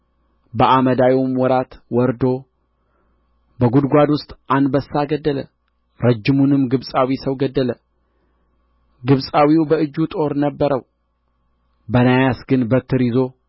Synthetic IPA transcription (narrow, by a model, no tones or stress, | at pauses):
bəʔaməd̪ajomwɔɾat̪wɔɾd̪o̞ | bəɡud̪ɡʷad̪wʊst̪ʼanbəsːaɡəd̪ːələ | ɾəd͡ʒːɨmunɨmɡɨβsʼawisəwɡəd̪ːələ | ɡɨβsʼawiwbəɨd͡ʒːut̪ʼo̞ɾnəbːəɾəw | bənajasɡɨnbət̪ʰːɨɾizo̞